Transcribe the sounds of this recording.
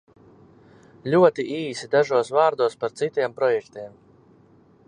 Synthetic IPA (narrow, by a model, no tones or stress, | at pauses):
lʲuɔt̪iʔiːsid̪aʒuɔsvaːɾd̪uɔspaɾt̪sit̪ʲiɛmpɾɔjɛkt̪iɛm